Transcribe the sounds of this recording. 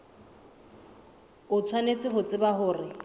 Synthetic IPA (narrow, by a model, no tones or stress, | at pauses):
ʊt͡sʰwanet͡sʼɪɦʊt͡sʼɪbaɦʊːrɪ